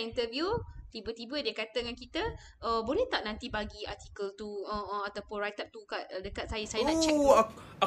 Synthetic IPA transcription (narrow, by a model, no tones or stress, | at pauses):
int̪əvjut̪ibət̪ibədiəkat̪əŋankit̪ə | əbolɛht̪aʔ̚nãnt̪ibaɡiart̪ikəlt̪uəat̪awpʊnrajt̪ap̚t̪ukaʔ̪̚dəkat̪̚sajasajaãt͡ʃɛ